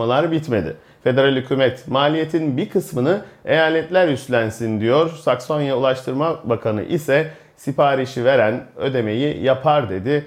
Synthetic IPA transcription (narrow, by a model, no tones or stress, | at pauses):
alˠaɾbit̪me̞d̪ɪ̰ | fe̞d̪e̞ɾalʲhycʰyːmɛt̪maːlʲijet̪ʰinbikʰɯsmɯnɯe̞jaːlʲɛt̪lʲæɾjyslʲænsind̪ijo̞ɾsakso̞njaulˠaʃt̪ʰɯɾmabakʰanɯ̰ʔḭsɛ | sipʰaːɾiʃive̞ɾænø̞d̪e̞me̞jḭjapʰaɾd̪e̞d̪ɪ